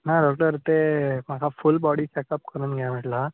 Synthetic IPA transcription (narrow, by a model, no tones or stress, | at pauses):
naɖɔk̚ʈəɾt̪em̤akʰafulbɔɽit͡ɕɛkəp̚kəɾuːnɡʱjam̤əʈla